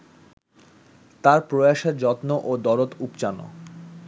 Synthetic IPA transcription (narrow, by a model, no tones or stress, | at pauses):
t̪aɾpɾoaʃeɾd͡ʑɔt̪noʔod̪ɔɾot̪upt͡ɕano̰